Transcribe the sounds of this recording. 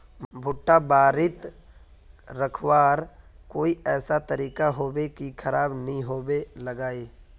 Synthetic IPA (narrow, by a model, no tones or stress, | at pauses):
bʱʊʈːabaːɾɪt̪ | ɾəkʰwaːɾkoːiɛːsat̪əɾiːkaɦoːbekikʰɐɾaːbnɐɦĩɦoːbeləɡaːiː